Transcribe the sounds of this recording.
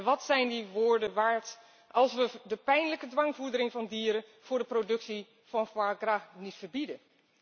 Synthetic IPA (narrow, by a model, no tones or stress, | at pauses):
ʋɑtsɛjndiʋʊːɹdənʋaːɹt | ɑlˠsʋədəpɛjnləkədʋɑŋvuɹdəɾɪŋvɑndiːɾənv̥ʊːɹdəprodɵksi | v̥ɑnfaɡranitfəɹbidən